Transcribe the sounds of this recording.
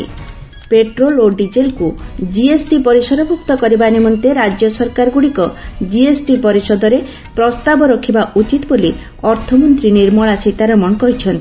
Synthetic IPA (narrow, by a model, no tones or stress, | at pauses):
peʈɾoloɖid͡ʒelkud͡ʒiesʈipɔɾisɔd̪ɔbʱuk̚t̪ɔkɔɾibanemɔnt̪eɾad͡ʒjɔsɔɾkaɾɔɡuɽikɔd͡ʒiesʈipɔɾisɔd̪ɔɾe | pɾɔst̪abɔɾɔkʰibaʔut͡ʃit̪ɔboli | ɔɾt̪ʰɔmɔnt̪ɾiniɾmɔɭasit̪aɾɔmɔnkɔɦit͡ʃʰɔnt̪i